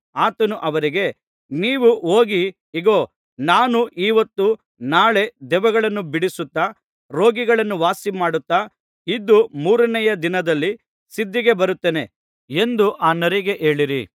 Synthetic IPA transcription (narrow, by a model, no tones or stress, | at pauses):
aːt̪ɐnuʔɐʋɐɾiɡe̞ | niːʋuʔoːɡiː | ɡoː | naːnuʔiːʋɐt̪ːu | naːɭe̞d̪ɛʋɐɡɐɭɐnːubiɽisut̪ːɐ | ɾo̞ːɡiɡɐɭɐnːuʋaːsimaːɽut̪ːa | id̪ːumuːɾɐnɛjɐd̪inɐd̪ɐlːi | sid̪ːiɡe̞bɐɾut̪ːeːne̞ | e̞nd̪uʔaːnɐɾiɡe̞ʔe̞ːɭiɾḭ